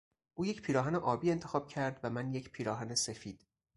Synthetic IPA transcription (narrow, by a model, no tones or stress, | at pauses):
ʔuːje̞cpʰiːɾɒːɦæneʔɒːbiːe̞nt̪ʰexɒːb̥cʰæɾd̪væmænje̞cʰpʰiːɾɒːɦænesefiːd̪̥